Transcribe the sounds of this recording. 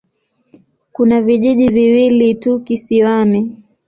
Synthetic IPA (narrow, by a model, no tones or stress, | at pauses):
kunaviʄiʄiviwilitukisiwami